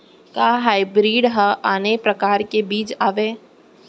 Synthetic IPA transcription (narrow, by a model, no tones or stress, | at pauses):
kaːɦaːɪbɾiːɖɦɐʔaːnepɾɐkaːɾkebiːt͡ʃaːʋeː